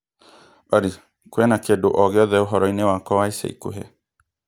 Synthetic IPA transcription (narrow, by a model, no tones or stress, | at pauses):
ɔɾi | kwɛnakendoʔɔɣeɔðɛoɦɔɾɔinewakɔwaisḛḭko̰ɦɛ